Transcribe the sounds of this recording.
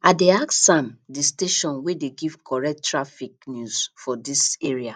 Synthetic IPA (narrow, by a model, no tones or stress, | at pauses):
adeaksãmdisteʃɔ̃nwedeɡiv̥kʰɔɹɛk̚tɹafiknjusfɔdiseɹia